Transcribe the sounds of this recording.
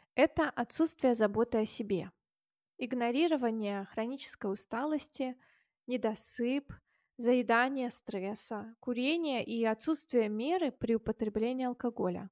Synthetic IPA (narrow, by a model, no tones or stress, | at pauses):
ɛt̪əʔɐt̪sut̪st̪vʲɪjəzɐbo̞t̪ɨɐsʲɪbʲe̞̰ | ɪɡnɐɾʲiɾəvənʲɪjəxɾɐnʲit͡ɕɪ̥skəjʊst̪alˠəsʲtʲɪ | nʲɪd̪ɐsɨp | zəɪd̪anʲɪjəst̪ɾɛsəkʊɾʲenʲɪjəʔiɐt̪sut̪st̪vʲɪjəmʲe̞ɾɨpɾʲɪʊpət̪ɾʲɪblʲenʲɪːɐlˠkɐɡo̞lʲə̰